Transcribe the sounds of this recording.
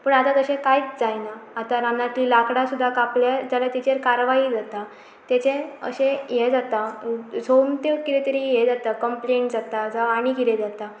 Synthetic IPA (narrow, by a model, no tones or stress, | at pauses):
pəɳat̪at̪əɕẽkajit͡sd͡zajnaːt̪aɾamnat̪liːlakɽasud̪ʱːakapljad͡zaljat̪it͡ɕeɾkaɾʋaɦid͡zat̪a | t̪jat͡ɕeə̰ɕejed͡zat̪asomt̪ekiɾet̪əɾijed͡zat̪akəmpleɳʈd͡zat̪ad͡zaaɽ̃ikiled͡zat̪a